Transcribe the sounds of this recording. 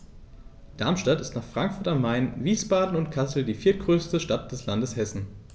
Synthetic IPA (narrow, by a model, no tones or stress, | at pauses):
d̥aɐmʃtatɪstnaːχfʁ̥aŋkfʊɐtanmːaɪnviːsb̥aːdn̩ʊntkʰasl̩diːfiːɐt̚ɡ̥ʁøːstəʃtat̚d̥ɛslandəshɛsn̩